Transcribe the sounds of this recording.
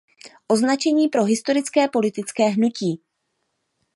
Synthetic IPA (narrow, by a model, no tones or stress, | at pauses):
ʔo̞znat͡ʃɛɲiːpɾo̞ɦɪst̪o̞ɾɪt͡skɛːpo̞lɪt̪ɪt͡skɛːɦnuciː